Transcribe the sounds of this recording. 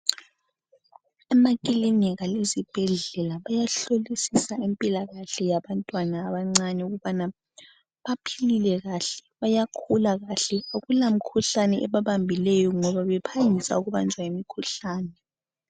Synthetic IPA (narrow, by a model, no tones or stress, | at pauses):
ɛmakʼilinɛɣalezib̥ʱɛɮɛlaβajaɬolisisaimpʼilaɣaɬɛjaβantʼwanaːβaŋ͡ǀaɲɛuɣuβana | βapʰililɛɣaɬɛ̥βajakʰulaɣaɬɛoɣulam̩kʰuɬanɛʔɛβaβambʱilɛjɔŋɔβaβɛpʰajisa̰uɣuβa̰nd͡ʒʱwaimikʰuɬaːnɛ